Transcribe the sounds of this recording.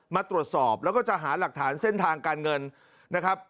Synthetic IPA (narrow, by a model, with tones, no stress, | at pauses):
maː˧t̪ɾu˨˩ət̪̚sɔː˨˩p̚lɛ˦˥wkɔː˥˩t͡ɕa˨˩ɦaː˩˦la˨˩k̚t̪ʰaː˩˦˥nse˥˩nt̪ʰaː˧ŋkaː˧nŋɤ˧n | na˦˥kʰɾa˦˥p̚